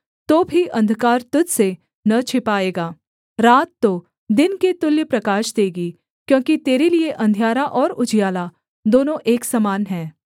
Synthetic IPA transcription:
t̪oːbʱiʔɐ̃nd̪ʱkaːɾt̪ʊd̪se | nɐt͡ʃʰɪpaːeːɡaː | ɾaːt̪ːoː | d̪ɪnket̪ʊljəpɾɐkaːʃd̪eːɡi | kjõːkit̪eːɾelieʔɐ̃nd̪ʱijaːɾaʔɔːɾʊd͡ʒijaːla | d̪oːnõʔeːksɐmaːnɦɛ̃ː

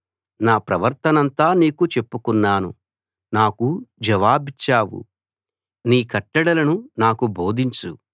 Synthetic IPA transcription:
naːpɾɐʋɐɾt̪ɐnɐnt̪aːniːkut͡ʃe̞pːukunːaːnṵ | naːkud͡ʒɐʋaːbit͡ʃːaːwṵ | niːkɐʈːɐɽɐlɐnunaːkubo̞ːd̪ʱiɲt͡ʃṵ

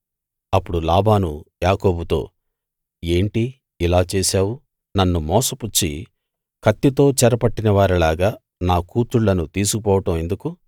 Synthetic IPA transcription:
ɐpːuɽulaːbaːnujaːko̞ːbut̪o̞̰ː | e̞ːɳʈi | ilaːt͡ʃeːsaːwu | nɐnːumɔːsɐput͡ʃːḭ | kʰɐt̪ːit̪o̞ːt͡ʃɛɾɐpɐʈːinɐʋaːɾilaːɡaː | naːkuːt̪ɾuɭːɐnut̪iːsukp̬ɔːʋɐʈɐme̞nd̪uku

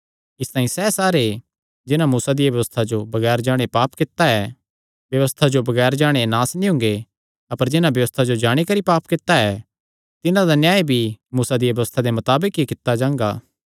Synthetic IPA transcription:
ɪst̪aːĩsɛːsaːɾe | d͡ʒɪnamuːsad̪ɪjaʋjɐʋəst̪ʰad͡ʒobɐɡɛːɾd͡ʒaːɽ̃epaːpkɪt̪ːaɛ | bjɐʋəst̪ʰad͡ʒobɐɡɛːɾd͡ʒaːɽ̃enaːsnĩɦʊ̃ŋɡe | ɐpəɾd͡ʒɪnãbjɐʋəst̪ʰad͡ʒod͡ʒaːɽ̃ikɐɾipaːpkɪt̪ːaɛ | t̪ɪnãd̪anjaːebʱimuːsad̪ijɐʋjɐʋəst̪ʰad̪emɐt̪aːbəkikɪt̪ːad͡ʒãːŋɡaː

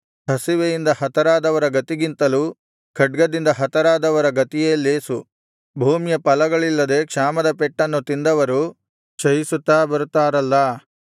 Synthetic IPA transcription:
hɐsiʋejind̪ɐhɐt̪ɐɾaːd̪ɐʋɐɾɐɡɐt̪iɡint̪ɐluː | kʰɐɖ̚ɡɐd̪ind̪ɐɦɐt̪ɐɾaːd̪ɐʋɐɾɐɡɐt̪ijeːlːeːsu | bʱuːmjɐpɐlɐɡɐɭilːɐd̪e̞kʂaːmɐd̪ɐpɛʈːɐnːut̪ind̪ɐʋɐɾu | t͡ʃɐjisut̪ːaːbɐɾut̪ːaːɾɐlːɐ

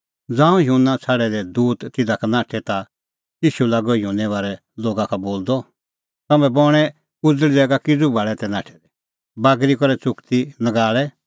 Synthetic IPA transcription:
d͡zãːũɦjũnãt͡sʰaɽɛd̪ɛd̪uːt̪ːɪd̪akanãːʈʰɛt̪a | iːʃulaɡɔjũnɛʋaːɾɛ | loːɡakʰaboːld̪ɔ | t̪ɐmɛ̃bɔɽ̃ɛ | ʊd͡zəɭid̪ɛːɡakɪd͡zubʱaɭɛt̪ɛnaːʈʰɛ̥d̪ɛ | baːɡɾikɔɾɛt͡sʊkt̪inɐɡaːɭɛ

